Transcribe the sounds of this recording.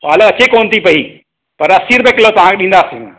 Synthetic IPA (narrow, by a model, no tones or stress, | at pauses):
ʋaːləɐt͡ɕekoːnt̪ʰipɐi | pɐɾɐsiːɾbekɪlot̪ɐʋ̤ãkeɗĩːnd̪aːsi